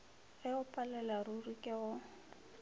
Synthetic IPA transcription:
ɪʊpʼalɛlarurikʼɪɣʊ

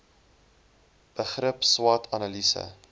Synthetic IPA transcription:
b̥əχɾəpswɑtʰɐnɐlisə̰

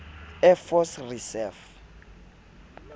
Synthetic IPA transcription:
ɛfɔsrisɛf

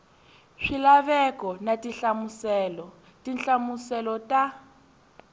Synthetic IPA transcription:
ʂilaβɛkɔnatiɬamusɛːlɔ | tinɬamusɛlɔtʼa

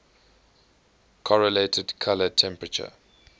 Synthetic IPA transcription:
kʰɔɹəletʰədkʰalətʰɛ̃mpɹət͡ʃə̰

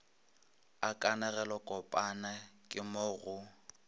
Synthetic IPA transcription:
akʼanɛɣɛlɔkʼɔpʼanakʼɪmoɣʊ

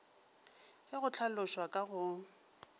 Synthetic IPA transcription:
hɪɣʊt͡ɬʰalʊʃwakʼaɣʊ

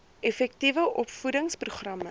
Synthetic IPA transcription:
ɛfɛk̚tivəʔɔpfudəŋspruχrɐmə

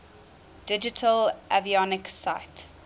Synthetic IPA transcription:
d̥ɪd͡ʒɪtʰəlʔaviɔnɪksaɪt

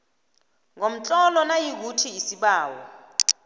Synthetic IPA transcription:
ŋom̩t͡ɬʼɔlɔnajik̬utʰiːsiɓaːwɔ̰

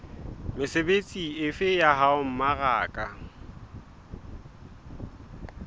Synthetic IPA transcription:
mɪsebet͡sʼiɪfɪjaɦaʊm̩maɣaːkʼa

